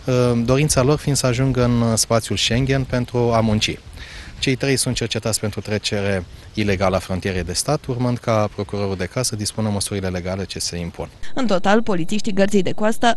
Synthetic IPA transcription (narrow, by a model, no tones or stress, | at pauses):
d̪o̞ɾint̪salo̞rfind̪̥səaʒuŋɡɨnspat̪sʲjulʃe̞ŋɡʲe̞npe̞nt̪ɾuamunt͡ʃḭ | t͡ʃe̞jt̪ɾe̞jsunt̪̚t͡ʃe̞rt͡ʃe̞t̪at̪sʲpent̪ɾut̪ɾe̞t͡ʃe̞ɾe̞ | ile̞ɡaləafɾont̪ijeɾe̞jd̪e̞st̪at̪urmɨnd̪kapɾo̞kuɾo̞ɾuld̪e̞kasəd̪ispunəməsuɾile̞le̞ɡale̞t͡ʃe̞se̞impʰunɨnt̪o̞t̪alpo̞lit̪siʃt̪iɡərt̪sijd̪e̞kwast̪ə